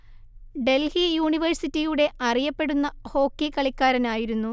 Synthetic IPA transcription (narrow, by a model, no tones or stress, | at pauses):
ɖe̞lhijuːɳiʋɐrsitːijuɽe̞ʔɐrijɐpːe̞ɽunːɐho̞ːkːikːɐɭikʲːaːɾɐnaːjiɾunːu